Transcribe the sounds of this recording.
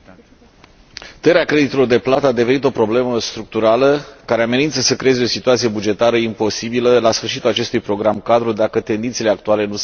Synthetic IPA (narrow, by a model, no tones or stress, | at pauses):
t̪eɾeakɾe̞d̪it̪elord̪e̞plat̪əad̪e̞ve̞nit̪o̞pɾo̞ble̞məst̪ɾuk̚t̪uɾaləkaɾeame̞nint̪səsəkɾe̞eze̞o̞sit̪uat̪sije̞bud͡ʒe̞t̪aɾəimpo̞sibiləlasfɨrʃit̪ulat͡ʃe̞st̪ujpɾo̞ɡɾamkad̪ɾud̪akət̪e̞nd̪int̪sile̞ak̚t̪uale̞nus